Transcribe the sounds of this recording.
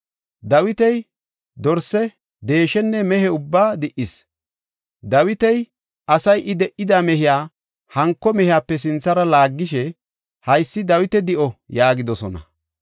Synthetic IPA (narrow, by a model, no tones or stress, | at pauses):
d̪ɐwɪt̪ɛj | d̪ɔɾsɛ | d̪e̞ːʃɛnːɛmɛhɛʊbːaːd̪ɪʔɪs | d̪ɐwɪt̪ɛj | ʔɐsɐjʔɪd̪ɛʔɪd̪aːmɛɦɪjaː | hɐŋkːɔmɛhɪjaːpːɛs̬ɪnt͡sːɐɾɐlaːɡːɪʃɛ | hɐjsːɪd̪ɐwɪt̪ɛd̪ɪʔɔjaːɡɪd̪ɔsɔnɐ̰